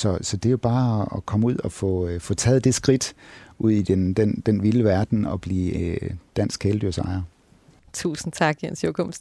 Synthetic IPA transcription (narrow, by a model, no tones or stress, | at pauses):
sɒ̽sɒ̽d̥e̝jo̝b̥ɑ̈ːɒkʰɒ̽muð̰ˠɒfɔ̽fɔ̽t͡sʰɛːð̞̩ˠd̥e̝sɡ̥ʁid̥ʔuð̞̰ˠid̥end̥end̥enʋiləʋæɐd̥n̩ɒ̽b̥lḭːd̥æn̰sɡ̥ʰeːləd̥yɐsɑ̈ɪɐ | t͡sʰṵːsn̩t͡sʰɑ̈ɡ̥jensjokʰɔm̰sd̥